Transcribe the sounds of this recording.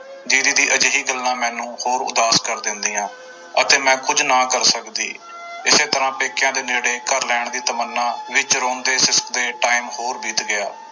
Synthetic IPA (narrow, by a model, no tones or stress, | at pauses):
d͡ʒ̪iːd̪iːd̪iːʔəd͡ʒɦiːɡəlːãːmɛ̃ːnũːhoːɾʊ̰d̪aːskəɾd̪ɪnd̪iːãː | ət̪eːmɛ̃ːkʊd͡ʒnaːkəɾsəkd̪ḭː | ɪseːt̪əɾãːpeːkjãːd̪eːneːɽeːkəɾlɛːɳd̪iːt̪əmənːãːʋɪt͡ʃɾoːnd̪eːsɪskd̪eːʈaːimhoːɾbiːt̪ɡɪa̰ː